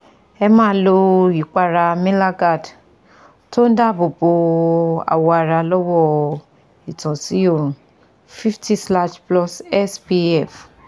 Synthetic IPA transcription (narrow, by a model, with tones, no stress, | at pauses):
ɛ˧mã˦lo˧ji˨k͡pa˧ɾa˧mĩ˦la˦ɡa˦˨d | to˦n˦da˦˨bo˨bo˧a̰˨wɔ˧a˧ɾa˧lɔ˦wɔ˦ | i˨tɔ̃˨si˨˦o˦˨ɾ̃ũ˨ | fi˦fti˦sla˦ʃplɔ˦sɛ˦spi˧ɛ˦˨f